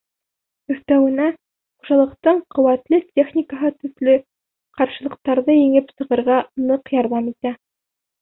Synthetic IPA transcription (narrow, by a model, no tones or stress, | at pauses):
ɵ̆θt̪æwɘ̆næ | χu̥ʒɑlˠɤ̆qt̪ɤɴqŏwæt̪lɘt̪ʲʰe̞χnʲikəɦɤt̪ɵ̆ðlɘ | qɑɾʃɤ̆lˠɤ̆q̚t̪ɑɾðɤjɘ̆ŋɘpsɤ̆ʁɤ̆ɾʁɑnɤqjɑɾðɑmit̪æ